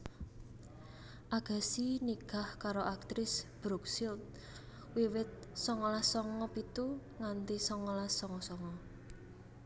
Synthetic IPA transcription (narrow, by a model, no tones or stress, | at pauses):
ʔaɡ̥a̤siniɡ̥a̤hkaɾoʔak̚t̪ɾɪsb̥ɾuksilt̪̚ | wiwɪt̪̚sɔŋɔlasɔŋɔpit̪uŋant̪isɔŋɔlasɔŋɔsɔŋɔ